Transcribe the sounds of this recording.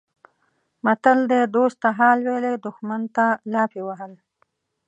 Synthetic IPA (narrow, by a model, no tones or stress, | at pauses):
mat̪əld̪ed̪ost̪ːaɦɑlweled̪ʊxmant̪alɑpewaɦəl